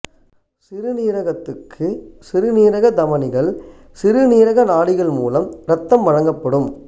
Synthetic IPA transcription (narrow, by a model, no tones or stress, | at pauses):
sɪɾɯniːɾɐɣɐt̪ːɯkʰːɯsɪɾɯniːɾɐɣɐd̪ɐmɐnɪɣɐɭ | sɪɾɯniːɾɐɣɐnaːɽɪɣɐɭmṵːlɐmɾɐt̪ːɐmʋɐɻɐŋɡɐpːɐɽɯm